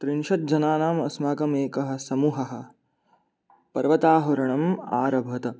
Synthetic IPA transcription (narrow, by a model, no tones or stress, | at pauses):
t̪ɾinʃɐt̪̚d͡ʒɐnaːnaːmɐ̰smaːkɐmeːkɐɦɐ̆sɐmuːɦɐɦɐ̆ | pɐɾʋɐt̪aːɦɐɾɐɳɐma̰ːɾɐbʱɐt̪ɐ